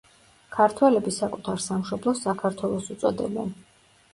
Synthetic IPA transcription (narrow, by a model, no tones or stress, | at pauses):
kʰaɾt̪ʰwɛlɛbisakʼut̪ʰaɾsamʃɔblˠɔsakʰaɾt̪ʰwɛlˠɔsut̪sʼɔd̪ɛ̰bɛ̰n